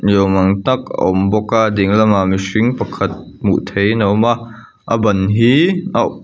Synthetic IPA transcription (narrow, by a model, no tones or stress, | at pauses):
jowmaŋt̪ɐk̚ɔmbɔkadiŋlɐmamisiŋpɐkʰɐt̪̚ | mṵʔt̪ʰejnɐwma | ʔəbɐnɦia